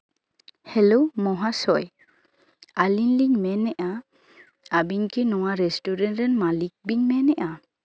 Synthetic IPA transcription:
hɛlɔwmɔɦasɔj | alinliŋmɛnɛʔa | abiŋkʰinɔwaɾɛsʈuɾɛnʈɾɛnmalik̚biɲmɛnɛʔa

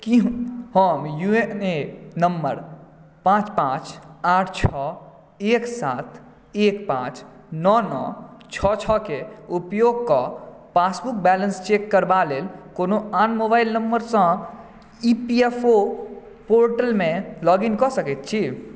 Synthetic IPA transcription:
kihəmjuenenəmːə̰ɾpãːt͡ʃpãːt͡ʃaːʈʰt͡ʃʰɔ | eːksaːt̪ʰ | eːkpã̰ːt͡ʃnɔnɔ̰t͡ʃʰɔt͡ʃʰɔkeupjoɡ̚kɔpaːsbuk̚bɛlənst͡ʃekːəɾbaleːlkonoaːnmobaːɪlnəmbəɾsə̃ | ipiepʰo | poːɾʈəlmẽlɔːɡinkɔsəket̪̚t͡ʃʰi

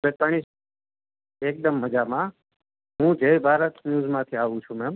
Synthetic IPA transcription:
bet̪aɳ̃is | eːk̚d̪əmːəd͡ʒamã | ɦũd͡ʒejbʱaːɾət̪njuːzmãt̪ʰiaʋũt͡ʃʰũmɛm

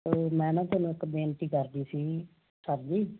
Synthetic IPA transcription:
omɛ̃ːnãːt̪eːnũːɪkbeːnʈiːkəɾd̪iːsiː | kəɾd̪iː

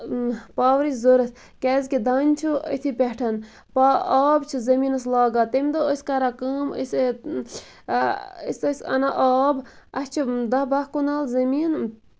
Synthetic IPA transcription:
paːʋɾizoɾɐt̪ʰʲ | kʲɛːzʲkid̪aːnʲt͡ʃʰuə̰t̪ʰipʲeʈʰɐn | paaːbt͡ʃʰizɐmiːnɐslaːɡaːt̪ɐmʲd̪oəsʲkɐɾakɐːmə̰s | əsʲɐsʲɐ̰naʔaːb | ɐst͡ʃʰid̪ɐbɐhkunaːlzɐmiːn

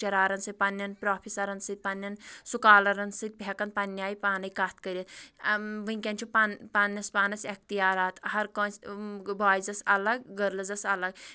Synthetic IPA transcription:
t͡ʃɐɾaːɾɐnsɨt̪̚ʲpɐnjɐnpɾaːpʰisɐɾɐnsɨt̪̚pɐnːjɐnsukaːlɐɾɐnsɨt̪̚pekɐnt̪̚pɐnːjaːjpaːnɐjkaːt̪ʰkɐɾʲit̪ | ʋɨŋʲkʲɐnt͡ʃʰupanpanjɐspaːnɐsɐk̚t̪ijaːɾaːt̪hɐɾkõːsbaːjd͡zɐsɐlɐɡɡɐɾlɐd͡zɐsɐlɐɡ

